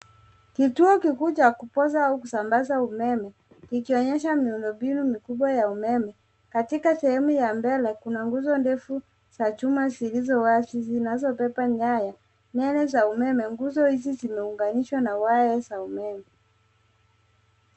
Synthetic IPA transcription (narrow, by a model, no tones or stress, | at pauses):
kituɔkikuːt͡ʃakupɔzaaukusambazaumɛmɛ | kikiɔɲɛʃ̬amiundɔmbinumikuɓwajaumɛmɛ | katikasɛhɛmujambɛlɛkunaŋɡuzɔndɛfu | z̥at͡ʃumazilizɔwazizinazɔpɛpaɲaja | nɛnɛzaumɛmɛŋɡuzɔhizizimɛuŋɡaniʃwanawajɛzaumɛmɛ